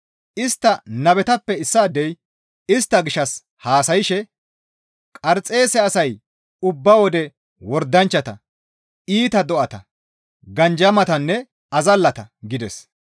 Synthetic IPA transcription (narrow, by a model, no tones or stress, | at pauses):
ʔɪst̪ːɐnɐβɛt̪ɐpːɛɪsːaːd̪ɛj | ɪst̪ːɐɡɪʃɐs | haːsɐjɪʃɛ | kʼɐɾt͡sʼe̞ːsɛɐsɐj | ʊbːɐwɔd̪ɛ | wɔɾd̪ɐnt͡ʃːɐt̪ɐ | iːt̪ɐd̪ɔʔɐt̪ɐ̰ | ɡɐnd͡ʒɐmɐt̪ɐnːɛ | ɐzɐlːɐt̪ɐɡɪd̪ɛs